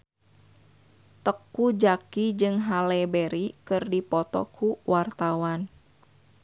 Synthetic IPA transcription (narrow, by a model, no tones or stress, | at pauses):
t̪əkud͡ʒakid͡ʒɨŋɦalɛbɛɾikɨrdipɔt̪ɔ̰kʰuwʔart̪awan